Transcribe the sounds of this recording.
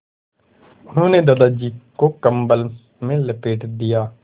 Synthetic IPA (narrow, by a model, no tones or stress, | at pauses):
ʊnõːnẽːd̪ad̪aːd͡ʒiːkoːkəmbələs | mẽːləpeːʈd̪ɪjaː